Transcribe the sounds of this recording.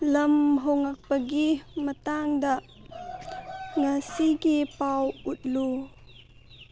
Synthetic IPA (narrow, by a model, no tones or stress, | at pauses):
lɐmɦɔwŋɐk̚pəɡimətaŋdɐʔ | ŋasikipawut̪̚lu